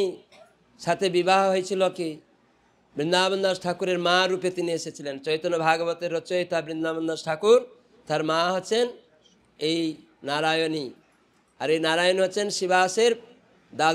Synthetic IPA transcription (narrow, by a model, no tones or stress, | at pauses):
i | sat̪ʰebibaɦɦɔjt͡ʃʰilɔki | bɾind̪abənd̪asʈʰakuɾeɾmaɾupet̪ineeset͡ʃʰilent͡ʃɔjt̪ɔnɔbʱaɡɔbɔt̪eɾɔt͡ʃɔjt̪abɾind̪abənd̪asʈʰakuɾ | t̪aɾmaɦɔt͡ʃʰen | ej | naɾajɔni | aɾejnaɾajɔniɦɔt͡ʃʰensibaseɾ | d̪a